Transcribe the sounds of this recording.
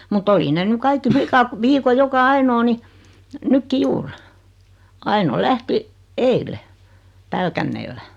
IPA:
mut oli ne ny kɑikːi flikɑt ʋiːko jokɑ ɑinoː ni nykːi juːr ɑino læhti eile pælkænːeːlːæ

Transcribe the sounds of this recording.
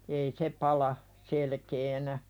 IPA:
ei se pɑlɑ selkeːnæ

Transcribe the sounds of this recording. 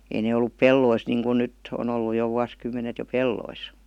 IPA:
ei ne olːup pelːois niːŋkun nytː on olːu jo ʋuɑskymːenet jo pelːois

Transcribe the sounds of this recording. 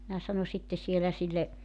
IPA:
minæ sɑno sitːe sielæ silːe

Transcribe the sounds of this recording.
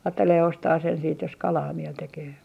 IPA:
ɑːtːeleː ostɑː sen siːt jos kɑlɑː miel tekeː

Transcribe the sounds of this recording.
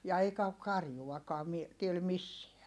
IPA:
jɑ eikæ ok kɑrjuwɑkɔɑ mi tiel misːeæ

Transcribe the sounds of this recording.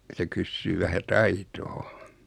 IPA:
se kysːyː ʋæhæ tɑitoː

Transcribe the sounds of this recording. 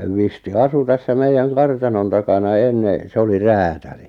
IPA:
ʋisti ɑsu tæsːæ meijːæŋ kɑrtɑnon tɑkɑnɑ enːe se oli ræːtæli

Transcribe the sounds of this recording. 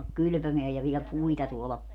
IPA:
kyly̆pømeæj jɑ ʋiɛl puitɑ tuolɑ

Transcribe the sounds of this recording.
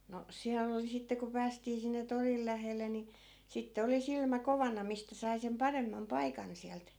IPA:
no siælː oli sitːe ku pæːstiː sinːe toril læhelːe ni sitːe oli silmæ koʋɑnɑ mistæ sɑi sem pɑremːɑm pɑikɑn siælt

